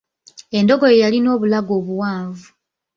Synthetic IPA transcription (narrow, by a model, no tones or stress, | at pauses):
e̞ndo̞ɡo̞jejalino̞ːβulaɡo̞ːβuwaːɱvu